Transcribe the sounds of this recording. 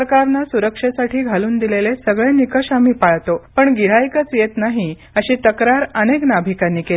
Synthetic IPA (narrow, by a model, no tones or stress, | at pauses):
ɾkaɾnasuɾəkʂesaʈʰiːɡʱaluːnd̪ilelesəɡɭẽnikəɕam̤iːpaɭt̪opəɳɡiɽ̤ajkət͡sjet̪naɦi | əɕiːt̪əkɾaɾəneknabʱikanːiːke